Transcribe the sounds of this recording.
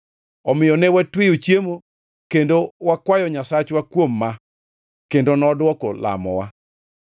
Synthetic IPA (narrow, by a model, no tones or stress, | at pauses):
ɔmɪjɔnɛwatwijot͡ʃjemo | kendowakwajɔɲasat͡ʃwakwomːa | kendonɔdwɔkɔla̰mɔ̰wa